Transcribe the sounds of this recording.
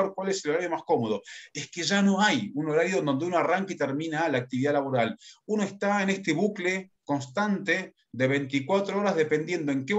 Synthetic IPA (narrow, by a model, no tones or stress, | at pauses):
ɾkwaleseloɾaɾjo̞masko̞moðoeskeʒano̞ajuno̞ɾaɾjond̪o̞nd̪eunoaraŋkait̪eɾmĩnalaːk̚t̪iβiðalaβo̞ɾaluno̞est̪aene̞st̪eβukle̞ko̞nst̪ant̪e | ðeβ̞e̞jnt̪ikwat̪ɾooɾazðe̞pe̞nd̪je̞nd̪oe̞ŋke